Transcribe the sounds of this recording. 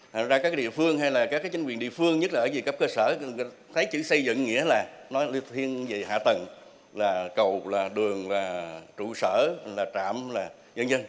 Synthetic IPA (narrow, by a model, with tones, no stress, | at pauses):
t̪ʰa˨˩ŋzaː˧aː˦˥k̬̚ːɗḭ˧˨əfɨ˧əŋɦa˧jlaː˨˩kaː˦˥kaː˨˦jt͡ɕi˨˦ŋkwi˨˩ənɗḭ˧˨əfɨ˧əŋɲə˦˥t̚laː˨˩˨zi˨˩kə˦˥p̚kəː˧səː˧˩˧ | t̪ʰə˨˦jt͡ɕɨ̰˧˥sə˧jzɨ̰˧˨ŋːḭ˧˥əlaː˨˩nɔ˨˦jli˧t̪ʰi˧ənzi˨˩ha̰ː˧˨t̪ə˨˩ŋ | laː˨˩kə˨˩wlaː˨˩ɗɨ˨˩əŋlaː˨˩t͡ɕṵ˧˨səː˧˩laː˨˩t͡ɕa̰ː˧˨mlaː˨˩ | ɲə˧nzə˧n